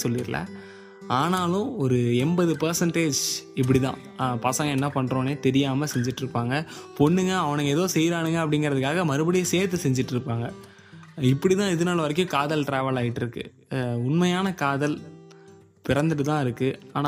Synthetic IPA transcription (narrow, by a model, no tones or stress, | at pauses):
sɔlːɪɾlɐ̰ | aːnaːlʊ̃ɔɾɯɛmbɐðɯpɐɾsɐɳʈeːd͡ʒɪp̬ːɐɽɪt̪ã̰ː | pɐsɐŋɡɐɛnːɐpɐɳːɾõːneːt̪ɛɾɪjaːmɐsɛɲd͡ʒɪʈːɪɾɯpːaːŋɡɐpɔɳːɯŋɡɐːʋɐnɯŋɡɐɛðoːsɛjɾaːɳɯŋɡɐɐp̬ːɐɽɪŋɡɪɾɐðɯkːaːɣɐmɐɾɯbɐɽɪjɐseːɾt̪ːɯsɛɲd͡ʒɪʈːɪɾɯpːaːŋɡɐ | ɪpːɐɽit̪ãːɪðɯnaːlɐʋɐɾɛk̬ʲːʊ̃kaːðɐlʈɾeːʋɐlaːjɪʈːɪɾɯkːɯ̰ | ʊɳmɐjaːnɐkaːðɐl | pɪɾɐnd̪ɯɾɯt̪ãːɪɾɯkːɯaːna